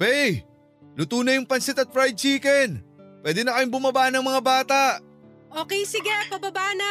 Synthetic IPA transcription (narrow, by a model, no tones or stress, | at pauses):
pɛj | lʊt̪uːnɐjʊŋpɐnsɪt̪ɐt̪̚fɹajd̪̚t͡ʃiːkɛnpwɛːd̪ɛnɐkɐjɪŋbʊmɐbaːʔnɐŋmɐŋabaːt̪aʔ | ʔoːkɛjsɪɡapɐbɐbaːʔnɐ